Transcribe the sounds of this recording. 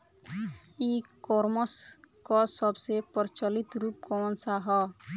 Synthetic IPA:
ikɔɾmɔskɔsɔbsepɔɾt͡ʃɔlit̪ɾup̚kɔɔnsaɦɔ

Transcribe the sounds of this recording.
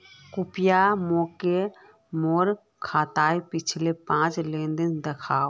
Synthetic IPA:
kʊpɪjamoːke | moːɾ | kʰaːt̪aːipɪt͡ʃʰlepãːt͡ʃlẽːnd̪ənd̪ɐkʰaːo

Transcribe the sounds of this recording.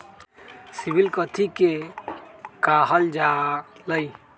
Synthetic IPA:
sibilkət̪ʰike | kaɦəld͡ʒaləj

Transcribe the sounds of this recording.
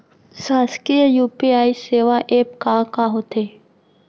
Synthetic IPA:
saːskijuːpiaːiseːʋaʔeːp̚kakaɦot̪ʰeː

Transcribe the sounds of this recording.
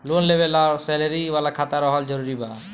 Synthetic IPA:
lonlebelasɛlaɾiwalakʰat̪aɾɔɦɔld͡ʒɔɾuɾiba

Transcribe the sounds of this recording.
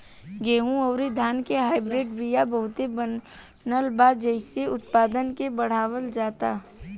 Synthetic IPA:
ɡeːɦũɔːɾid̪ʱjaːnkeɦaːɪbɾeːɖbɾijabɐɦʊt̪ebə | nəlbaːd͡ʒɛɪseʊt̪paːd̪ənkebɐɽ̤aːʋəld͡ʒaːt̪a̰ː

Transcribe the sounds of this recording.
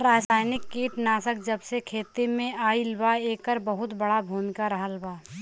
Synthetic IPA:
ɾaːsaːjnɪkːiːʈnaːsək̚d͡ʒəbsekʰeːt̪imẽaːilbaeːkəɾbəɦʊt̪bəɽabʱuːmɪkaɾəɦəlbaː

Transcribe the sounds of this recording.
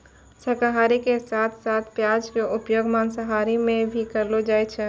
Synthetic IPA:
səkəɦaːɾikesaːt̪ʰsaːt̪ʰpjad͡ʒkeʔʊpjoɡmaːnsəɦaːɾimẽbʱikəɾlod͡ʒaːjt͡ʃʰɛ

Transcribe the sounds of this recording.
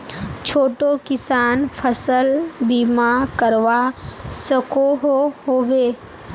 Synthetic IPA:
t͡ʃʰoːʈokɪsaːnpʰəsəlbiːmakəɾʋasəkoɦoɦoːʋeː

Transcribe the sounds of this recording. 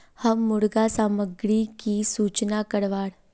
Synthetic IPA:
həmuɽɡasaməɡɭikisut͡ʃnakəɽʋaːɽ

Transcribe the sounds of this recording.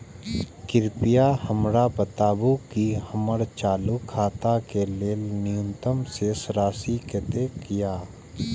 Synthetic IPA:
kɪɾpɪjahəmɾapət̪aːbukihəməɽt͡ʃaːlukʰːaːt̪akeleːlnɪjʊ̃nt̪əmsesɾaːsiket̪ekijaː

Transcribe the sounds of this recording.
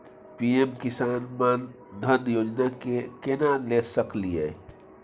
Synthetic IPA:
piemkɪsaːnman | d̪ʱənjoːd͡ʒnakekenalesəkliɦɛ̰

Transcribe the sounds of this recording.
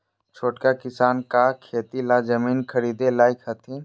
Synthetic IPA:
t͡ʃʰoːʈkakɪsaːnkakʰeːt̪ilad͡ʒəmiːnkʰəɾiːd̪elaːɪkʰɦɐt̪ʰẽ

